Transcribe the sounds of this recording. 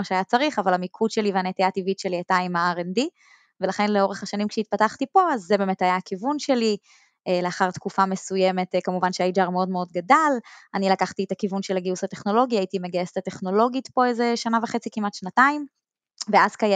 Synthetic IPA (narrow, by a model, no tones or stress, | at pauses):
aʃeajat͡saʁiχavalamikʰudʃe̞liveanetijativitʃe̞liataimaaʁendi | velaχe̞nleo̞ʁeχaʃanimkʃeit̚pataχtipo̞azːebeːmetajaːkivunʃe̞li | ʔele̞aχaʁt̪kufamesujeme̞tkamuvanʃeajid͡ʒaʁmeo̞dmeo̞dɡadalanilakaχt̪ietakivunʃelaɡiusateχno̞lo̞ɡiait̪ime̞ɡajestate̞χno̞lo̞ɡitpoezeʃanaveχe̞t͡sikimatʃnataim | veaz̥kaj